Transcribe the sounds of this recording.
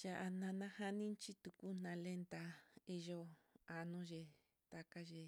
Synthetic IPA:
ja˨ʔa˧nã˧nã˧ha˦nĩ˦nt͡ʃi˦t̪u˧ku˦n̥ã˧le˦nt̪a˧i˧ʒo˧a˧nõ˦ʒe˧ | t̪a˧ka˦ʒe˧

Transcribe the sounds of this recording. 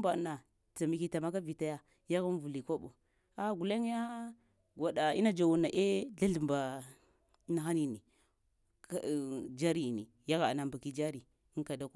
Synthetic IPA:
mba˨na˨ | ta˨mi˨ki˨ta˨ma˦ka˦vi˨ta˦ja˦ | ja˦ɣa˦n˦vu˨li˨ko˦ɓo˨ | a˨ɡu˨la˦ŋ˦ja˦ | ɡʷa˨ɗa˨ḭ˦na˦d͡ʒa˨wu˨na˨ʔe˦ɮa˦ɬu˨mba˨˦ | na˨xa˦ni˨ni˨ | d͡ʒa˦ɾi˨nḭ˨ | ja˦ɣa˨na˨mba˨ki˦d͡ʒa˦ɾi˨ | i˦ŋka˨da˦ku˦˨

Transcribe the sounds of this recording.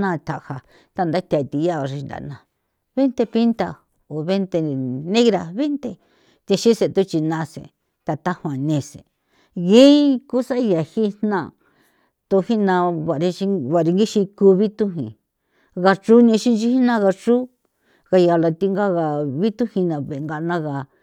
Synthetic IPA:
nã˦˧˨t̪ʰa˨ʔha˨ | t̪a˧nd̪a˦t̪ʲa˧˨t̪i˧ja˦˨ʐi˧nd̪a̰˨nã˨ | βe˦nt̪e˧pi˦nt̪a˧ | o˨βe˦nt̪e˧nẽ˦ɣɾa˧βe˦nt̪e˧ | t̪e˧ʃĩ˦se˨t̪u˦t͡ʃi˧nã˧sḛ˨ | t̪a˧t̪a˦hã˨nẽ˧˨sḛ˨ | ɣẽ˦ku˦sa˦˧ja˨hi˦nnã˦˧˨ | t̪o˧hi˦nã˧βa˨ɾi˧t͡ʃi˧βa˨ɾi˧ŋɡi˦ʃĩ˧ku˧βi˦t̪u˦ɦḭ̃˧ | ɣa˧t͡ʃu˦nĩ˧ʃi˦nt͡ʃi˧hi˦nã˦˧ɣa˧t͡ʃu˦ | ɣa˧ja˨la˧t̪i˧ŋɡa˦ɣa˨βi˦t̪u˦hĩ˧nã˨βe˨ŋɡa˧nã˦˧ɣa˨

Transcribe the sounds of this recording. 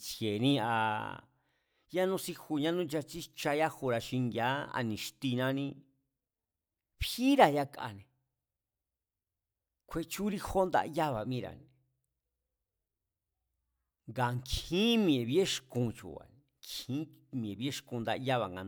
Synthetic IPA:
t͡sje˨nĩ˦a̰˧ | ja˦nũ˧si˧xu˧ɲã˦nũ˦d͡ʒa˧t͡ʃi˦t͡ʃa˧ja˦hu˧ɾa˧ʃĩ˧ŋɡa˦a̰˧nĩ˨ʃt̪i˧nã˧nĩ˦˧ | βi˦ɾa˧ja˧kaa̰˧nẽ˨ | kʷʰe˧t͡ʃu˦ɾi˧xo˦nd̪a̰˧ja˦βa˨mĩ˧ɾa̰˨nẽ˨ | ŋɡa˧˨ŋkʰĩ˦mĩ˧ẽ˨βi˦e˦ʃkũ˧t͡ʃṵ˨a̰˨n | ŋkʰĩ˦ | mĩ˨ẽ˨βi˦e˦ʂkũ˧nd̪a̰˧ʔja˦βa˨ŋɡa˨

